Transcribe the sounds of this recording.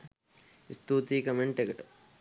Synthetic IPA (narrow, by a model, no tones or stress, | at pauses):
ist̪uːt̪ikɐmeɳʈekʈ